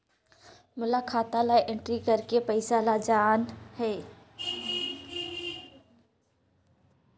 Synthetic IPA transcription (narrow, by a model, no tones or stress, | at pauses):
mʊlaːkʰaːt̪ãlaːiʔɪ̃ɳʈɾikɐɾkepɐɪsalad͡ʒaːnhɛː